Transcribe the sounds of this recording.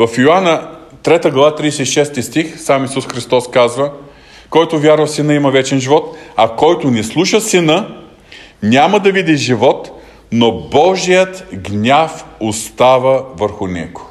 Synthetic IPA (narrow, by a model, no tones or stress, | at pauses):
vɐfjoanət̪ɾɛt̪əɡlˠɐvat̪ɾid̪ɛsɛiʃɛst̪ist̪ixsamisusxɾist̪ɔskazvə | kɔjt̪ʊvʲjaɾvɐfsinəimɐvɛt͡ʃɛnʒivɔt̪ɐkɔjt̪onɛslˠuʃəsinə | nʲaməd̪ɐvid̪iʒivɔt̪ | nobɔʒijət̪ɡnʲafost̪avəvəɾxʊnɛ̰ɡo̥